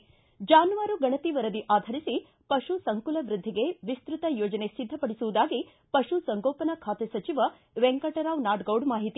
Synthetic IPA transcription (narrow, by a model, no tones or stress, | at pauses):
d͡ʒaːnuʋaːɾuɡɐɳɐt̪iʋɐɾɐd̪iʔaːd̪ʱɐɾisi | pɐʃusɐŋkulɐʋɾud̪ʱːiɡe̞ʋist̪ɾut̪ɐjoːd͡ʒɐnesid̪ʱːɐpɐɽisuʋud̪aːɡi | pɐʃusɐŋɡoːpɐnɐkʰaːt̪esɐt͡ʃiʋɐ | ʋeŋkɐʈɐɾaːʋnaːɖɡɐwɖmaːɦit̪i